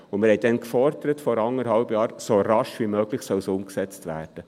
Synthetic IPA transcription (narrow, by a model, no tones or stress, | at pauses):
ʊmɪɾhɛjdɛnkfɔɾd̪əɾətfɔɾɑŋəɾhɑʊbjɑːɾsoɾɑʃʋimøːɡlɪxsœlsʊmksɛt͡stvæ̰ːrd̥ə